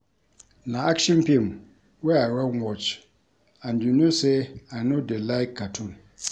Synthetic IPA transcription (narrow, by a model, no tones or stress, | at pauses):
nãakʃɛ̃npʰĩm | wɛaɾɛwɔt͡ʃ | andunõseanʊ̃dɛlaɪkʰːatʰũn